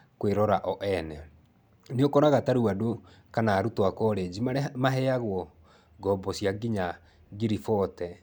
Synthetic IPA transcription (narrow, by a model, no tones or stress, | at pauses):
kweɾɔɾaʔɔʔɛnɛ | neokɔɾaɣataɾuado | kanaːɾutwakɔɾed͡ʑimamaɦɛaɣwɔ | ɡɔbɔsjaɡiɲa | ɡiɾifɔtɛ